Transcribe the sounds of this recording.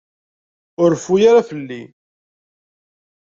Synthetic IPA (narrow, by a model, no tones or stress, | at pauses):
ʊɾfujaɾafəlːi